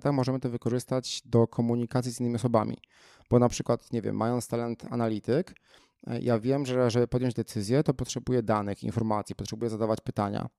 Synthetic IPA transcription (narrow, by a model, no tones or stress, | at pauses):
t̪axmɔʐɛmɘt̪ɔvɘkɔʐɘst̪ad͡ʑd̪ɔkʰɔmuɲikat̪sʲizʲinːɘmiɔsɔbamʲḭ | b̥ɔnapʂɘkwat̪ɲevʲjɛ̰mːajɔnt̪st̪ɛlɛnt̪ʰa̰nalʲit̪ɘk | jʔavʲjɛmʐɛʐɛbɘpɔd̪ʲjɔɲd͡ʑd̪ɛt̪sɘzʲjɛt̪ɔpɔtʂɛbujɛd̪anɘxḭnfɔɾmat̪sʲji̥pɔtʂɛbujɛzad̪avat͡ɕpɘt̪aɲa̰